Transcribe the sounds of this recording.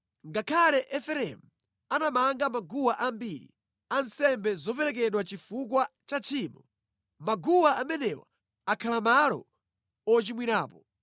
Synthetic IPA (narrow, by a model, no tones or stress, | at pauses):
ŋɡakʰalɛʔɛfɛɾɛ̰mu | anamaŋɡamaɡuwaʔambiɾḭ | ansɛmbɛzɔpɛɾɛk̬ɛɗwat͡ʃifuk̬wat͡ʃat͡ʃʰiːmɔ | maɡuwaamɛnɛwa̰ | akʰalamalɔ̰ | ɔt͡ʃimwiɾaːpɔ